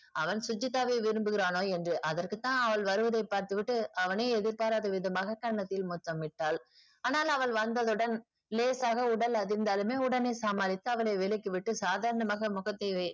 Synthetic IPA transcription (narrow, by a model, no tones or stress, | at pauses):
ɐʋɐnsʊd͡ʒːɪt̪ːaːʋeʋɪɾɯmbɯɣɪɾaːnoːɛndrɯʔɐðɐrkɯt̪ːãːɐʋɐɭʋɐɾɯʋɐðɐɪpːaːɾt̪ɯʋɪʈːɯɐʋɐneːɛðɪɾpaːɾaːðɯʋɪðɐmaːɣɐkːɐɳɐnɐt̪ːɪlmʊt̪ːɐmːɪʈːaːl | aːnaːlɐʋɐɭʋɐnd̪ɐðɯɽɐn | leːsaːɣɐʊɽɐlɐðɪɾnd̪aːlɯmeːʊɽɐneːsaːmaːlɪt̪ːɯɐʋɐɭeːʋɪlɪkːɯʋɪʈːɯsaːðaːɾɐnɐmaːɣɐmʊɣɐt̪ːɐɪʋɐɪ